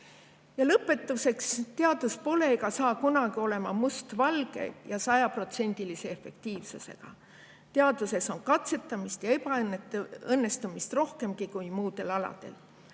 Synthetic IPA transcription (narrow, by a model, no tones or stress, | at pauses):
jɑlɤpːˑe̞t̪ːˑuse̞kst̪e̞ɑd̪̥uspo̞le̞ɡɑsɑːkunɑɡ̥io̞le̞mɑmust̪vɑlɡe̞̰jɑsɑjɑpro̞t̪se̞nʲd̪̥ilise̞ːfe̞̰kt̪iːvsuse̞̰ɡ̥ɑ̰ | t̪e̞ɑd̪̥use̞so̞nkɑt̪se̞t̪ˑːɑmist̪jɑe̞pɑneɤnːe̞st̪umist̪ro̞hke̞mɡikujmuːd̪̥e̞lɑlɑ̰d̪̥e̞̰l